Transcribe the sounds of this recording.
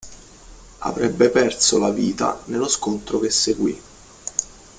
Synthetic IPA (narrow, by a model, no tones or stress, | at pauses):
a̰vɾɛbːepɛrsolaviːt̪a̰nelːoskont̪ɾok̟esːeɡwi